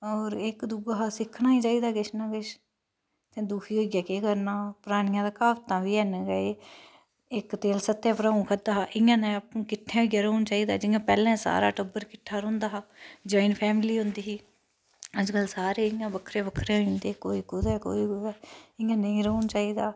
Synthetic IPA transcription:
ɔːɾɪkd̪uɡaːɦasɪkʰːnãːiːt͡ʃaːiːd̪aːɡɪʃnãːkɪʃ | t̪ẽːd̪uːkʰiːɦoːiɡjaːkeːkəɾnaːpɾaːɽ̃ɪjãːd̪aːkaːʋt̪ãːʋiːɛnɡəeː | ɪkt̪eːlsət̪ːɛ̃ːpɾaːũːkʰəd̪aːɦʔɪjãːnẽːpũːkɪʈ̪ʰːẽːɦoiɡjaːɾəuːnt͡ʃaːiːd̪aːd͡ʒɪãːpɛːlɛ̃ːsa̰ːɾa̰ːʈəbəɾkɪʈʰːaːɾõːnd̪aːɦaːd͡ʒaːɪnpʰɛːmliːɦʊ̃nd̪iːɦiː | əd͡ʒkəlsaːɾeːɪjãːbəkʰɾeːbəkʰɾeːɦĩːnd̪eːkoːiːɡʊd̪ɛːko̰ːiːɡʊd̪ɛːɪjãːnəĩːɾəunt͡ʃaːiːd̪aː

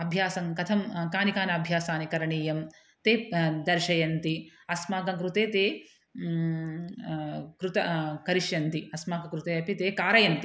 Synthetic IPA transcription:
ɐbʱjaːsɐŋkɐt̪ʰɐmkaːnikaːnɐɐbʱjaːsaːnikɐɾɐɳiːjɐm | t̪eːd̪ɐɾʃɐjɐnt̪iɐsmaːkɐkɾut̪eːt̪eː | kɾut̪ɐkɐɾiʃjɐnt̪iɐsmaːkɐkɾut̪eːɐpit̪eːkaːɾɐjɐnt̪i

